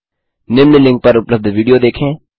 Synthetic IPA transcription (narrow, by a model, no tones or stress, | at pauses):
nɪmnɪlɪ̃ŋɡ̚pɐɾʊpləb̚d̪ʋiːɖijod̪eːkʰẽː